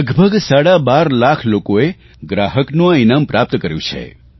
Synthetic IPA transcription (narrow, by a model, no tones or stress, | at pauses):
əɡbʱəɡsaɽabaɾlakʰlokoe | ɡɾaɦəknũainampɾap̚t̪kəɾjũt͡ʃʰḛ